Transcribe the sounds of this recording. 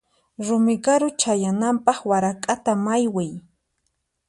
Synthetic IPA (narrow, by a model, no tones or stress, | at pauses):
ɾʊmɪɡaɾʊt͡ʃajanampɑχwaɾakʼat̪amajwɪj